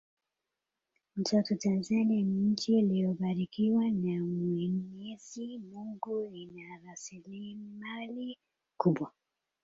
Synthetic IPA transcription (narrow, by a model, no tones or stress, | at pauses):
m̩tɔtutanzanianiɲ̩t͡ʃilijɔɓaɾikiwanamwɛɲɛzimuŋɡuinaɾasilimali | kuɓwa